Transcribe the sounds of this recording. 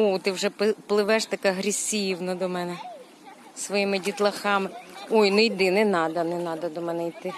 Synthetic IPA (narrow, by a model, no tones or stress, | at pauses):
ɔt̪ɪwʒɛpplˠɪʋɛʃt̪ɐkɛɦɾʲisʲiwnɐd̪ɔmɛnɛ | sʋɔjimɪdʲit̪lˠɐxɑmɪɔjnʊjd̪ɪnɛnɑd̪ɐnɛnɑd̪ɐd̪ɔmɛnɛit̪ɪ